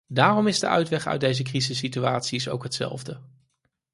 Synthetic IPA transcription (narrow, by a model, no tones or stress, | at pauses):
daːrɔmɪzdə̰ʔœ̰ɥtʋɛχœ̰ɥdejzəkrizəsːityaːtsiso̰wkɦətsɛ̰lˠvdə